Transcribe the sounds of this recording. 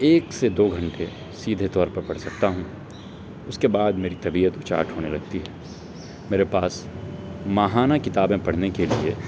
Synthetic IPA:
eːksed̪oːɡʱɐ̃ɳʈe | siːd̪ʱet̪ɔːɾpɐɾpɐɽ̤sɐk̚t̪aɦũ | ʊskebaːd̪meːɾit̪ɐbiət̪ʊt͡ʃa̰ːʈɦoːnelɐɡ̚t̪iɦɛː | meːɾepaːs | maɦaːnakɪt̪aːbẽpɐɽ̤nekelie

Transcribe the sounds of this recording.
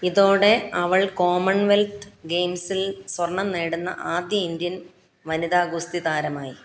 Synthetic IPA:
iðo̞ːɽe̞ɐʋɐɭko̞ːmɐɳʋelt̪ɡejmsilswɐrɳɐmneːɽunːɐ̰ʔaːd̪jɐind̪jɐn | ʋɐniðaːɡust̪iðaːɾɐmaːji

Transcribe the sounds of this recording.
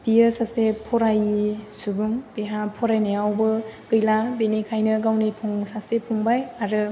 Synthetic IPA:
biɯsasepʰɔɾajisubuŋbeɦapʰɔɾajnɯjawbɯɡɯjlabenikʰajnɯɡawnipʰɔŋsasepʰuŋbajaɾɯ

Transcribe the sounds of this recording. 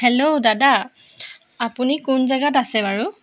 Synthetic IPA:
hɛlodada | apunikʊnzɛɡatasɛbaɹu

